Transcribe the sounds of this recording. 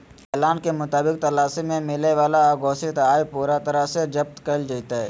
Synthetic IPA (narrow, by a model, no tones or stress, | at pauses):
ɛːlaːnkemʊt̪aːbɪk̚t̪ɐlaːsimẽmɪleʋaːlaɡoːset̪aːipuːɾat̪ɐɾased͡ʒɐb̚t̪kəld͡ʒait̪aɦɛː